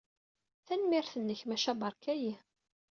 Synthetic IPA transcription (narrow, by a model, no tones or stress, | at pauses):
θænmɪɾθənːəçmæʃæbɑɾˤkæji